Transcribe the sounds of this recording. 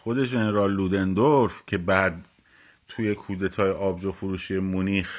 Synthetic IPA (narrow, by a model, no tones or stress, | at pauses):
xod̪e̞ʒeneɾɒːlːuːd̪end̪oɾfcʰe̞bæd̪ | t̪ʰuje̞kʰuːd̪e̞t̪ʰɒːjeʔɒːbd͡ʒofuɾuːʃiemoniːx